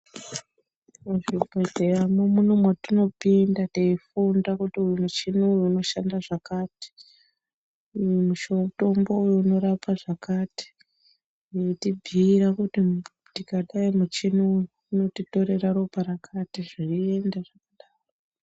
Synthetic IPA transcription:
uʐibʱedejamomunomwatino̞pindateifundakutiujumut͡ʃinuujuːno̞ʃandaʐakaːti̥ | muʃo̞to̞mbo̞ujouno̞ɾapaʐakati̥ | jetibʱiːɾakuti | tikaɗaimut͡ʃinujuuno̞tito̞ɾe̞raɾopaɾakʰatiʐirie̞ndaʐakaɗaːro

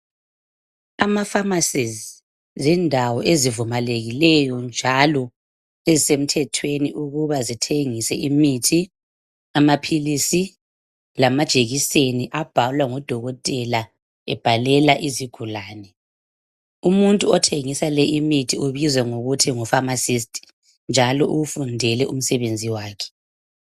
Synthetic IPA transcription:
amafamasiz | zɛndʱawɔʔezivumaleɣilɛjɔnd͡ʒʱalɔ | ezisem̩tʰɛtʰweniʔuɣuβazitʰeŋisɛʔimitʰi | amapʰilisi | lamad̥ʒ̥ʱeɣiseniʔab̥ʱalwaŋɔd̥ʱɔɣɔtʼɛla | ɛ̰b̥ʱalɛlaʔiziɡ̥ʱulaːnɛ | umuntʼuɔtʰeŋisalɛʔimitʰiuβizwɛŋoɣutʰiŋɔfamasis̬tʼi̥ | nd͡ʒʱalɔʔuɣufundʱɛlɛʔum̩sɛβend͡zʱiwaːkʰɛ̥

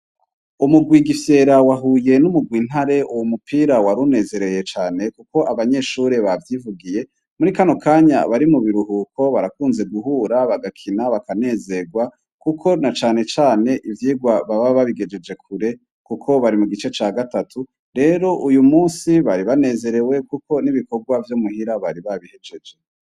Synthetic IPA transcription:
umuɡwiɡifje̞ːɾawaɦuːje̞numuɡwiːn̥haɾe̞ʔuwomupʰiːɾawaɾune̞ːze̞ɾe̞je̞t͡ʃaːne̞kuko̞ʔaβaɲe̞ʃuɾe̞βavjivuɡije̞ | muɾikano̞kaːɲa̰βaɾimuβiɾuɦukʰo̞βaɾakuːnze̞ɡuhuːɾaβaɡakʰinaβakane̞ze̞ɡwa | kukʰo̞nat͡ʃaːne̞t͡ʃaːne̞ʔivjiːɡwaβaβaβaβiɡe̞d͡ʒe̞d͡ʒe̞kʰuɾe̞ | kukʰo̞βaɾimuɡit͡ʃe̞t͡ʃaɡatatʰu | ɾe̞ːɾo̞ʔujumuːnsiβaɾiβane̞ːze̞ɾe̞we̞kuko̞niβiko̞ɡwavjomuhiɾaβaɾiβaβihe̞d͡ʒe̞d͡ʒe

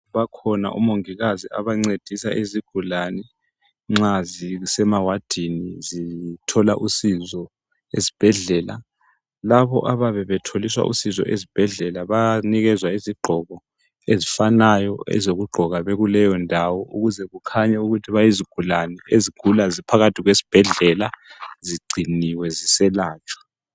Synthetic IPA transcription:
βakʰɔna̰ʔṵmoŋiɣazia̰βaŋ͡ǀed̥ʱisa̰ʔiziɡ̥ʱulanɛ | ŋ͡ǁazisɛmawad̥ʱinizitʰɔla̰ʔusizɔ | ezi̥b̥ʱɛɮɛla | laβɔ̰ʔaβaβɛβɛtʰoliswa̰ʔṵsizɔ̰ʔezib̥ʱɛɮɛlaβaniɣɛzwaiziɡ͡ǃʱɔɣɔ | ezifanajɔɛ̰zoɣuɡ͡ǃʱɔɣaβeɣulɛjɔndʱawɔʔuɣuzɛɣukʰaɲɛuɣutʰiβajiziɡ̥ʱulanɛʔeziɡ̥ʱulazipʰaɣatʰiɣwesi̥b̥ʱɛɮɛlaziɡ͡ǀʱiniwɛzisɛlaːt͡ʃʰʼɔ̥

